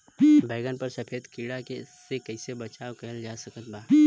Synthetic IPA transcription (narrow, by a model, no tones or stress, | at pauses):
bɛːɡənpɐɾsɐpʰeːd̪kiːɽakesekɐɪsebɐt͡ʃaːwkɐəld͡ʒaːsɐkət̪̚baː